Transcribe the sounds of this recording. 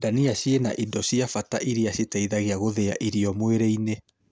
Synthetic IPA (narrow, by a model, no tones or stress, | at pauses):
daniaʃiena̰ʔidɔɕiafataʔiɾiaʃetaiðaɣeaɣoðɛa̰ʔiɾiɔmweɾeine